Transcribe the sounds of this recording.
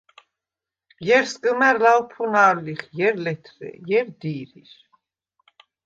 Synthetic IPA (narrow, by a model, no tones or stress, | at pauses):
jɛɾskʼəmɛɾlawpʰunaːɾliχjɛɾlɛt̪ʰɾɛ̰jɛɾd̪iːɾiɾ